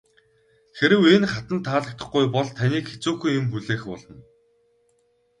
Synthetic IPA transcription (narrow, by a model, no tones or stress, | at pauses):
xeɾɘ̆wenχat̪ə̆nt̪ʰːaːɮə̆k̚t̪ə̆χɡujpɔɮt̪ʰaniːkxe̥t͡suːxujɪmpuɮeːxpɔɮɞ̆n